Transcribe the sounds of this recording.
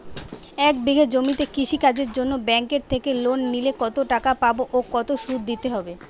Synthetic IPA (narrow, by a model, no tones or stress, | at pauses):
ɛkbeɡʱed͡ʑomit̪ekiʃikad͡ʑeɾd͡ʑonːobɛŋkeɾt̪ʰekelonːilekɔt̪oʈakapaboʔokɔt̪oʃud̪̚d̪it̪eɦɔbe